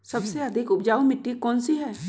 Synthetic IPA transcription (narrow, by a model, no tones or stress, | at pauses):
sɐbseɐd̪ʱɪkʊpd͡ʒaːumɪʈːikɔːnsiɦɛː